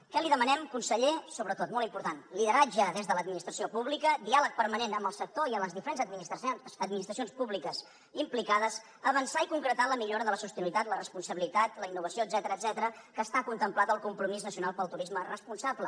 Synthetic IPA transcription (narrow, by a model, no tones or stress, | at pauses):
kəliðəmənɛmkunsəʎesoβɾət̪ot̪mɔlˠimpuɾt̪anliðəɾad͡ʒəðezðələd̪minist̪ɾəsiopuβlikəd̪ialək̚pəɾmənenəmbəlˠsək̚t̪oiəmləzðifəɾenzəmiəd̪minist̪ɾəs̬ionspuβlikəz | implikaðəs | əβənsaikuŋkɾət̪aləmiʎoɾəðələsust̪ənuit̪at̪lərəspunsəβilit̪at̪ləinːuβəsiod̪zɛt̪əɾəːd̪zɛt̪əɾəkəːst̪akunt̪əmplat̪əlˠkumpɾumiznəsiunalˠpəlˠt̪uɾizmərəspunsablə